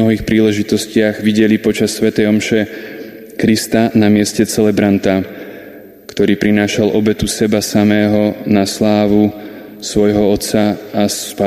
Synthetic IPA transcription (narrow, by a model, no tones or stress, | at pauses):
ɔɦiːxpɾiːlɛʒit̪ɔscɪaɣʋiɟɛlipɔt͡ʃasːʋɛt̪ɛjɔmʃɛ | kɾist̪anamɪɛscɛt͡sɛlɛbɾant̪a | kt̪ɔɾiːpɾinaːʃalʔɔbɛt̪usɛbasamɛːɦɔnaslaːʋu | sʋɔjɦɔɔt̪t͡saaspa